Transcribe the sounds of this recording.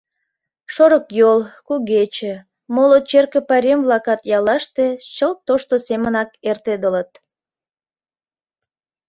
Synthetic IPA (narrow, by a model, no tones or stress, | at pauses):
ʃoɾəkjolkuɣet͡ɕe | molot͡ɕerkə̆pɑɾʲemβlɑkɑt̪jɑlɑʃt̪et͡ɕəlt̪oʃt̪osemənɑkert̪ed̪ələt̪̚